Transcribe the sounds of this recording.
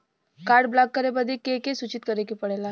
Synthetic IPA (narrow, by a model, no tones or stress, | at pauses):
kaːɾɖblakːəɾebəd̪ikekesut͡ʃɪt̪kəɾekipəɽela